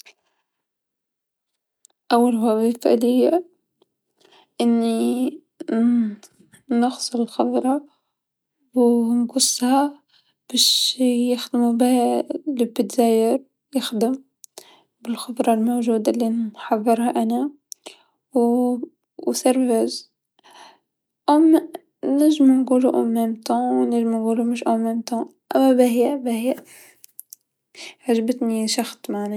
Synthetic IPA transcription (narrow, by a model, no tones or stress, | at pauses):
ʔawːalhɑðifa̰ʔlɪjːa | ʔɪnːi | nʊxsˤɨllxɑðˤɾˤɑ | wnɡʊsˤːhɑ | b̥aːʃjɪxd̪ɪmubɪlɪbːɪt̪zaːjɪɾ | jɪxd̪ɪm | bɪlxʊbɾˤɑlmowʒuːd̪aɪlːinħɑðˤːɨɾˤhaʔana | w | sɑɾvɪz | ʔam | naʒːɪmnɡuːluʔa̰meːmt̪ɑ̃ːwnaʒːɪmnɡuːlumʊʃʔameːmt̪ɑ̃ʔamːabahjabahja | ħaʒbɪt̪niʃɑxt̪ˤmaʕna